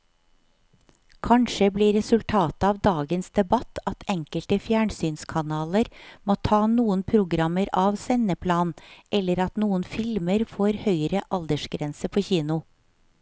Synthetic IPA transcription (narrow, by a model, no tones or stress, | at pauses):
kʰɑnʃəbliːɾɛsʉlt̪ʰɑːt̪əɑːʋd̪ɑːɡənsd̪ɛbɑt̪ʰɑt̪ɛŋkəlt̪əfjæːɳsyːnskʰɑnɑːləɾmoːt̪ʰɑːnuːənpʰɾʊɡɾɑməɾɑːʋsɛnəpʰlɑːnʔɛlːəɾɑt̪nuːənfɪlməɾfoːɾhœʏɾəʔɑld̪əʃɡɾɛnsəpʰoːçiːnʊ